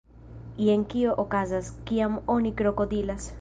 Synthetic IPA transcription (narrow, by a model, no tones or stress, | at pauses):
ieŋkioʔokazaskiamonikɾokod̪ilas